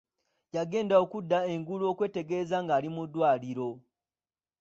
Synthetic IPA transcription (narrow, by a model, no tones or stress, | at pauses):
jaɡe̞ːndao̞kudːae̞ŋɡuluo̞ːkwe̞ːte̞ɡe̞ːzaŋɡaːlimudːwaːliɾo̞